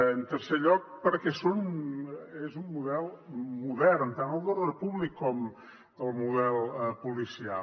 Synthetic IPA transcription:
ənt̪ərseʎɔk̚pəɾkɛson | ezummuðɛlˠmuðɛrnt̪anəlˠd̪ərorpuβlikʰːɔm | əlˠmuðɛlˠəpulisia̰

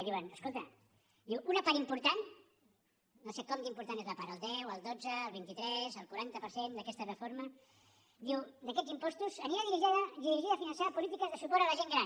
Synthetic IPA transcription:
ðiwanəskolˠt̪ə̰ | d̪iwunɐpaɾimpuɾt̪an | nosekɔmd̪impuɾt̪anezlɐpaɾəlˠd̪ɛwəlˠd̪od͡zəːlˠβint̪it̪ɾɛzəlˠkuɾant̪əpəɾsend̪əkɛst̪ərəfoɾmə | d̪iwd̪ɐkɛd͡zzimpɔst̪uzəniaðiɾiʒaðəðiðɾiʒiðəfinənsapulit̪ikəzðəsupɔɾaləʒeŋɡɾa

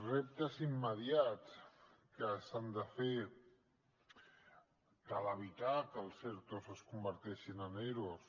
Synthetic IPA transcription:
rep̚t̪əzimːəðjat͡skəsand̪əfe | kaləβ̞it̪akəlˠseɾt̪ozəskumbəɾt̪ɛʃinəneɾos

